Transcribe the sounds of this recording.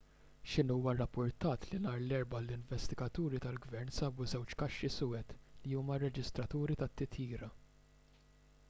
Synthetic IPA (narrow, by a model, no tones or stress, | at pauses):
ʃɪnuːwɐrːɐpːʊɾt̪ɐːt̪linɐːɾlɛɾbɐlɪɱvɛst̪ɪɡɐt̪uːɾit̪ɐlɡvɛɾnsɐːbuzɛwt͡ʃkɐʃːisʊːɛt̪liuːmɐrːɛd͡ʒɪst̪ɾɐt̪uːɾit̪ɐt̪ːɪt̪ʰjiːɾɐ